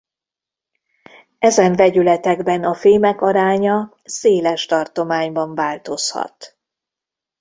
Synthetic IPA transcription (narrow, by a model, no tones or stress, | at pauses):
ɛzɛɱvɛɟylɛt̪ɛɡbɛnɒfeːmɛkɒɾaːɲɒ | seːlɛʃt̪ɒrt̪o̞maːɲbɒɱvaːlt̪o̞shɒ̰t̪